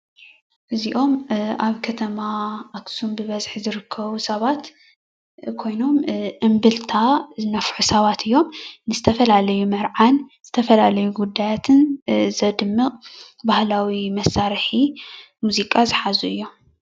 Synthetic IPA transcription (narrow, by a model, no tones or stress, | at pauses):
ʔɨziʔo̞mʔaβkʰɐt̪ʰɐmaːksumbɨβɐzħizɨɾɨkʰːɐβusɐβat̪ | kʰo̞jno̞mʔɨmbɨlt̪ʰazɨnɐfħusɐβat̪ʰɨjːo̞mnɨzɨt̪ʰɐfɐlalɐjumɐɾʕanz̥ɨt̪ʰɐfɐlalɐjuɡud̪ːajat̪ʰɨnzɐd̪ɨmːɨqʼ | bahlawimɐsaɾħi | muzikʼazɨħazuɨjːo̞m